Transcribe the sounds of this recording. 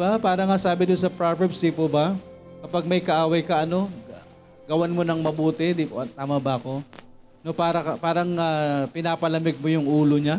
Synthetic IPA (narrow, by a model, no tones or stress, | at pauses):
bapaːɾɐŋasaːbɪd̪ʊnsɐpɾavɛbsipobɐkɐpaɡ̚mɐjkɐʔaːwɐjkɐʔɐno̞ | ɡɐwanmonɐŋmɐbuːt̪ɛd̪ipot̪aːmɐbɐɐko̞ | nopaːɾɐkɐpaːɾɐŋapɪnaːpɐlɐmɪɡ̚mojʊŋʔuːloɲa